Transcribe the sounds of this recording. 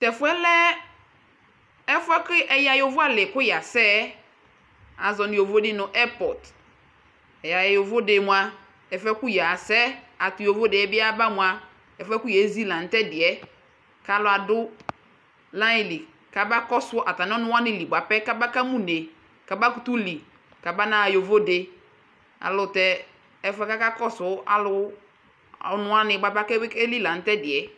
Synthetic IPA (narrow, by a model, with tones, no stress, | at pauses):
tɛ˨fʊ˦ɛ˦lɛ˦ | ɛ˦fʊ˦ɛ˦kɪ˦ʔɛ˨ja˨jo˨vʊ˦a˦lɪ˨kʊ˦ja˨sɛ˦ | a˨zɔ˨nɪ̃˨o˨vo˦dɪ˦nʊ̃˨ʔɛ˦pɔ˨d | ɛ˨ja˨jjo˨vo˦de˨mʊ̃˨a˨ | ɛ˨fɛ˦kʊ˦ja˨sɛ˦ | a˨tʊ˨jo˨vo˦de˨ɛ˦bɪ˦a˦ba˦mʊ̃˨a˨ | ɛ˨fɛ˦kʊ˦jɛ˨˦zi˦lã˨n˨tɛ˦dɪ˨ɛ˦ | ka˦lʊ˨a˨dʊ˦ | lã˦ɪ˨li˨ | ka˨ba˦kɔ˦sʊ˦ʔa˨ta˨n˦ɔ˦nʊ̃˦a˦nɪ̃˨˦˨li˨ɡ͡ba˨pɛ˦ka˦ba˦ka˦mũ˦˨ne˨ | ka˨ba˦ku˦tu˦li˨ | ka˨ba˦na˦˨jo˨vo˦de˨ | a̰˨lʊ˨tɛ˨ | ɛ˨fɛ˦ka˦ka˦kɔ˦sʊ˨˦a̰˨lʊ˦ | ɔ˨nʊ̃˦a˦nɪ̃˨ɡ͡ba˨pa˦kɛ˦ke˦li˦la˨n̩˦tɛ˦dɪ˨ɛ˨